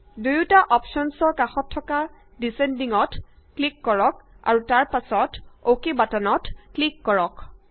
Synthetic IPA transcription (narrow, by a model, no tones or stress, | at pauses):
dujutaʔɔpʃɔnsɔɹkaxɔtʰːɔka | disendiŋɔt | klikːɔɹɔk̚a̰ɹutaɹpasɔtokebatanɔtklikːɔɹɔk